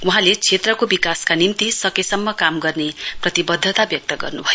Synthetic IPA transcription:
uɦãlet͡sʰet̪rʌkobikaskanimt̪isʌkesʌmːʌkamɡʌrneprʌt̪ibʌd̪ʱːʌt̪abjʌk̚t̪ʌɡʌrnubʱʌjo

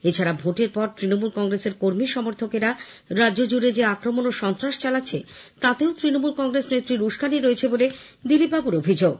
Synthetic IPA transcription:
et͡ɕʰaɾabʱoʈeɾpɔɾt̪ɾinomulkɔŋɡɾeseɾkoɾmiʃɔmoɾt̪ʰokeɾa | ɾadʑod͡ʑuɾed͡ʑeakɾomonoʃɔnt̪ɾaʃt͡ɕalatːɕʰet̪at̪eot̪ɾinomulkɔŋɡɾesnet̪ːɾiɾuʃɡaniɾoet͡ɕʰeboled̪ilip̚babuɾobʱid͡ʑoɡ̚

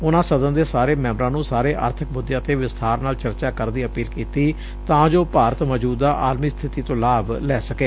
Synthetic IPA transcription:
ʊnãːsəd̪ənd̪eːsaːɾeːmɛ̃ːmɾãːnũːsaːɾeːʔə̰ɾt̪ʰək̚bʊd̪ːɪjãːt̪eːʋɪst̪ʰaːɾnaːlt͡ʃəɾt͡ʃaːkəɾd̪iːəpiːlkiːt̪iː | t̪ãːd͡ʒoːpaːɾət̪məd͡ʒuːd̪aːʔaːd̪miːst̪ʰɪt̪iːt̪õːlaːblɛːsəkeː

